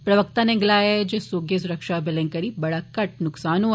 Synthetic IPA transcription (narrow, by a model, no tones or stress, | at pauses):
pɾɐʋək̚t̪anẽŋɡlaːjed͡ʒeːsoːɡjes̬ʊɾəkʃabɪlɛ̃ŋkɐɾibɐɽakɐʈ̚nʊksaːnõ